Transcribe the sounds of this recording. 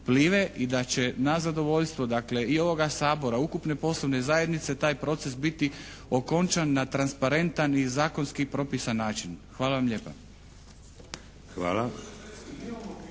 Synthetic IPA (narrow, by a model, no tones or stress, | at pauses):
pliːʋeʔid̪at͡ɕe̞nazad̪o̞ʋo̞ʎst̪ʋod̪akle̞io̞ʋo̞ɡasaːbo̞ɾaukupne̞po̞slˠoʋne̞zaje̞d̪nit̪se̞t̪aːjpɾo̞t̪se̞sbit̪i | o̞ko̞nt͡ʃanːat̪ɾanspaɾe̞nt̪anizaːko̞nskipɾo̞pisanːaːt͡ʃinxʋaːlˠaʋamʎe̞ːpa | xʋa̰ːla